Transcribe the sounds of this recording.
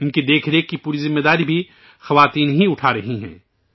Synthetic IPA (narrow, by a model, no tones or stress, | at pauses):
ɪnkid̪eːkʰɾeːkːipuːɾizɪmːed̪aːɾibʱi | xɐʋaːt̪iːnɦiʊʈʰaɾɐɦiɦɛ̰̃ː